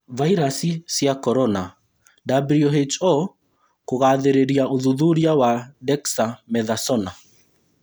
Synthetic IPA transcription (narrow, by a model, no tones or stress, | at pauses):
vaiɾasisjakɔɾɔna | dabɾiɔɦet͡ʃɔ | koɣaðeɾeɾiaoðuðuɾiawadɛksamɛðasɔna